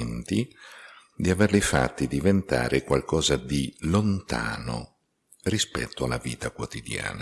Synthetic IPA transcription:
nt̪i | d̪iaverlifa̰t̪ːid̪ivent̪a̰ːɾekwalkɔːzad̪ilont̪a̰ːno̰ | rispɛ̰t̪ːoalːavḭːt̪akwot̪id̪ja̰ːna

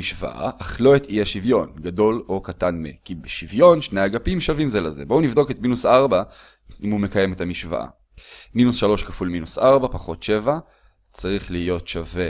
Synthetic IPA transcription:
iʃva̰ʔa̰ʔaχlo̞etʰiaʃivjo̞nɡado̞lo̞katanmḛkibeʃivjo̞nʃnejaɡapimʃavimzelaze̞bounivd̪o̞ketminusaʁba | ʔimhumekaje̞metamiʃva̰ʔa̰ | minusʃalo̞ʃkafulminusʔaʁbapaχo̞tʃe̞va | t͡saʁiχliːjo̞tʃave

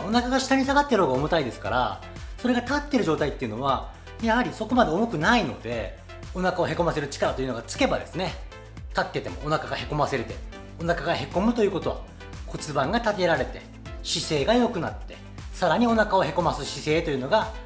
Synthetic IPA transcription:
o̞nakaɡaɕi̥t̪aɲ̟isaɡat̪ːeɾɯoɡaomot̪aid̪e̞sɨ̥ka̰ɾa̰ | so̞ɾe̞ɡat̪at̪ːe̞ɾɯ̟ʑo̞ːt̪ait̪ːe̞ɯ̟no̞βa | jahaɾʲiso̞ko̞mad̪e̞omo̞kɯ̟naino̞̰d̪e̞ | o̞nakao̞ɦe̞ko̞mase̞ɾɯ̟t͡ɕi̥kaɾat̪oiɯ̟no̞ɡat͡sɨ̥ke̞bad̪e̞̰sɨne̞ | t̪at̪ːe̞t̪e̞mo̞̰ːnakaɡahe̞ko̞mase̞ɾet̪e̞ | o̞nakaɡahe̞ko̞mɯ̟t̪o̞jɯ̟ːko̞t̪o̞βa̰ | ko̞t͡sɨbãŋɡat̪at̪e̞ɾaɾe̞t̪e̞̰ | ɕise̞ːɡajo̞kɯ̟na̰t̪ːe̞ | saɾaɲ̟io̞nakao̞he̞ko̞masɨɕise̞ːt̪o̞jɯ̟no̞ɡa

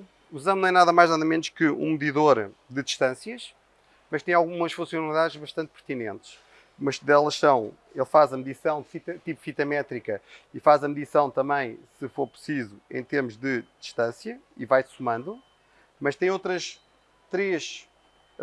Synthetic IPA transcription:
uzɐ̃mnɐ̃w̃ɛnaðɐmajʒnaðɐmẽnuʃkɨṵ̃mɨðiðoɾd̪ɨd̪iʃt̪ɐ̃sjɐʃ | mɐʃt̪ɐ̃j̃alˠɣumɐʃfũsjunɐlˠiðaðʒβɐʃt̪ɐ̃nt̪̚pɨɾt̪inẽnt̪ʃ | mɐʃd̪ɛlˠɐʃsɐ̃w̃ | elˠfazɐmðisɐ̃w̃d̪fit̪ɐt̪ipfit̪ɐmɛt̪ɾikɐifazɐmðisɐ̃w̃t̪ɐ̃mbɐ̃j̃sɨfoɾpɾɨsizuḛ̃j̃t̪eɾmuʒðɨd̪̥iʃt̪ɐ̃sjɐivajsumɐ̃nd̪u | mɐʃt̪ɐ̃j̃ot̪ɾɐʃ | t̪ɾeʃ

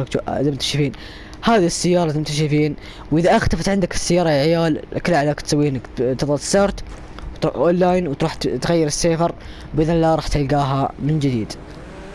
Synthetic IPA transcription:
kzamt̪aʃfiːn | haːðisːɪjːɑːɾˤɑzmt̪ʃɪfiːn | wʔɪðaʔaxt̪afat̪ʕɪnd̪akɪ̥sːɪjːɑːɾˤɑlʕɪjaːlʔklaʕlakt̪sawːiːɪnːakt̪ɨðˤɑlɪsːɑɾˤt̪ | wt̪ɾuʔʔoːnlːaːjnwt̪ɾuːħt̪ɣajːɪɾɪsːeːfɑɾ | bɪðɪnɪlːaɾˤɑːħt̪alɡaːɦamɪnd͡ʒɪd̪iːd̪

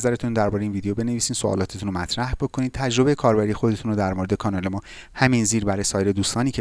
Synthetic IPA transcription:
zæɾet̪ʰund̪æɾbɒɾeinviːd̪ejobe̞ne̞viːsiːnsoʔɒ̰ːlɒːt̪ʰet̪ʰunomæt̪ʰɾæhb̥o̞kʰo̞niːd̪̚t̪ʰæd͡ʒɾo̞bejekʰɒːɾbæɾiːje̞xo̞d̪e̞t̪ʰunod̪æɾmoɾe̞d̪ekʰɒːnɒːle̞mɒːhæmiːnziːɾbæɾɒːjesɒːjeɾed̪uːst̪ɒːniːcʰe

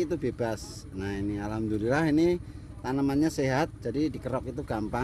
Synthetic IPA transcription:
it̪̬ubeb̥as | nahinialamd̪uɾilahinɪ | t̪anəmanɲaseɦat̪̚d͡ʒ̥adidikəɾɔkit̪uɡ̥ampa

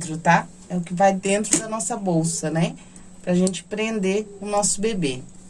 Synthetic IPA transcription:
t̪ɾʊt̪a | ɛʊkɪvajd̪ẽnt̪ɾʊd̪ɐnɔsɐbowsɐnɛ | pɾɐʒẽnt͡ʃɪ̥pɾẽnd̪eʊnɔsʊbebe

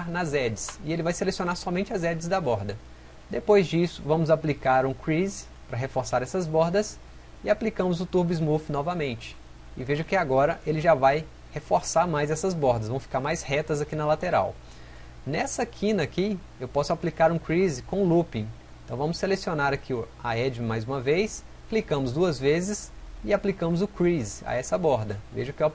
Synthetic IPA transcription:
nɐzɛd͡ʒɪsɪelɪvajselesionaɾsɔmẽnt͡ʃɪɐzɛd͡ʒɪzd̪ɐbɔɾd̪ɐ | d̪epojzd͡ʒisʊ̥vɐ̃mʊzaplikaɾũkɾiz | pɾɐɦefoɾsaɾɛsɐzbɔɾd̪ɐs | ɪaplikɐ̃mʊzʊt̪uɾbizmufnɔvɐmẽnt͡ʃɪ̥ | ɪveʒʊkɪaɡɔɾɐʔelɪʒavaj | hefoɾsaɾmajzɛsɐzbɔɾd̪ɐzvɐ̃w̃fi̥kaɾmajshɛt̪ɐzakinɐlat̪eɾa̰w | nɛsɐkʰĩnɐːki | ewpɔsʊaplikaɾũkɾizɪkõlupĩeẽt̪ɐ̃w̃vɐ̃mʊsːelesionaɾakʰi | aɛd͡ʒmajzũmɐvejs | klikɐ̃mʊzd̪uɐzvezɪs | ɪaplikɐ̃mʊzʊkɾiza̰ɛsɐbɔɾd̪ɐvḛʒʊkɪe

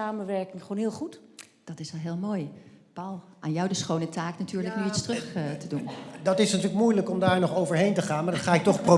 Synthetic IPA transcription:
aːmənʋɛɹkɪŋχoːnɦɪːlˠχut | d̥ɑtɪsʋɛlˠɦɪːlˠmoːjpɑwlˠʔaːnjɔwdəsχownətaːknatyːɹləknyitstrɵχtədundɑtɪsnatyːɹlək̚mujləkɔmdaːɹnɔχowvəɹɦejntəχaːnmaɹdɑtχaːɪk̚tɔχpro

